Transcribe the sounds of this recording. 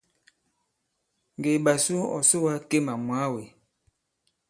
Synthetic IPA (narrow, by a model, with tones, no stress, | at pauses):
ŋɡe˨ɓa˨so˦ɔ̰˨so˦wa˦ke˦ma˨mwa˨˦we˨